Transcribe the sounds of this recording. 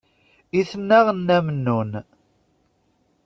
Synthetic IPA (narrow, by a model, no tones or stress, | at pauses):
iθənːæʁənːæmnːun